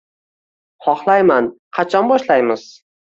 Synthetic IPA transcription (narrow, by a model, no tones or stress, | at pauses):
hɒχlˠajman | qʰɑt͡ʃʰɒnbɒʃlajmɪz̥